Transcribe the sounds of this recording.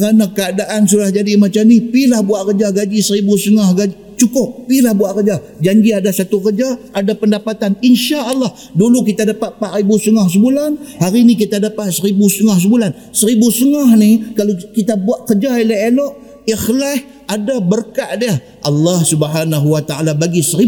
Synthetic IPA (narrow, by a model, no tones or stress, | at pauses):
kəɾanakəadaʔansulahd͡ʒadimat͡ʃamnipilahbuaʔkəd͡ʒaɡad͡ʒisəɾibusəŋahɡad͡ʒi | t͡ʃukʊp̚ːilahbuaʔkəd͡ʒa | d͡ʒaɲd͡ʒiadasat̪ukərd͡ʒaadapəndapat̪aninʃaʔɑlːah | duluk̬it̪adapat̪̚paʔɾibust̪əŋahs̬əbulanhaɾinikit̪adapat̪̚səɾibust̪əŋahs̬əbulan | səɾibust̪əŋahnikalokit̪abuaʔkəd͡ʒaelɛɦelɔʔ | ixlah | adabərkaʔdiə | ʔɑlːɑhsubɦanaɦuwat̪aalabaɡisəɾi